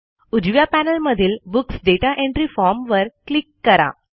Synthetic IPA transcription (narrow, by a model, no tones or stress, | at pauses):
ud͡ʑʋjapænəlməd̪ʱiːlbuksɖeʈaʔẽɳʈɾifɔɾmʋəɾklikːəɾa̰